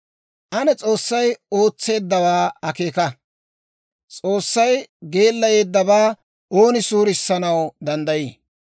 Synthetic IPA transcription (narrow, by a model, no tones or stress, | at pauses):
ʔɐnɛt͡sʼo̞ːsːɐjo̞ːt͡sːe̞ːd̪ːɐβaːɐke̞ːkɐ | t͡sʼoːsːɐjɡe̞ːlːɐje̞ːd̪ːɐbaː | ʔoːnɪsuːɾɪsːɐnɐwd̪ɐnd̪ɐjiː